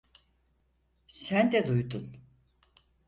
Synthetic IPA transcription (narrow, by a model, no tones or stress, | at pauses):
sænd̪ɛd̪ujd̪un